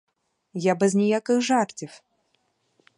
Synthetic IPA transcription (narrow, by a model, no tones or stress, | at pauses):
jabɛzʲnʲɛjakɨxʐart͡sʲif